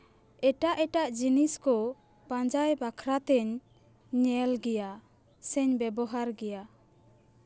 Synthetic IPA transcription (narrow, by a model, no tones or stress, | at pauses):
ɛʈaʔɛʈaʔd͡ʒiniskɔ | pãɲd͡ʒajbakʰɾat̪ɛɲː | ɛlɡɛja | sɛɲbɛbɔɦaɾɡɛja